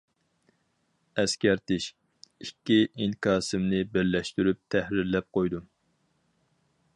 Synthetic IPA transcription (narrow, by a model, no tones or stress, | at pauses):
ɛskʲæɾt̪ɪʃ | ikʲːiʔiŋkɑːsɪmnɪbɪɾlɛʃt̪yɾyp̚t̪ʰɛhɾɪɾlɛp̚qojd̪u